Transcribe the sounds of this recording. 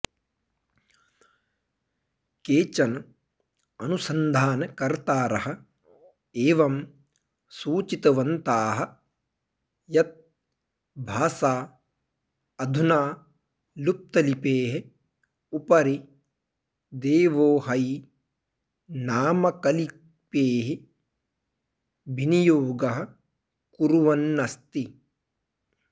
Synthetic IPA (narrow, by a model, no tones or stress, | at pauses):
keːt͡ʃɐn | ɐnusɐnd̪ʱaːnɐkɐɾt̪aːɾɐɦɐ̆ | eːʋɐm | suːt͡ʃit̪ɐʋɐnt̪aːɦɐ̆ | jɐt̪̚ | bʱaːsaː | ɐd̪ʱunaː | lup̚t̪ɐlipeːɦe | upɐɾi | d̪eːʋoːɦɐj | naːmɐkɐli | peːɦi | binijoːɡɐɦɐ̆ | kuɾuʋɐnːɐst̪i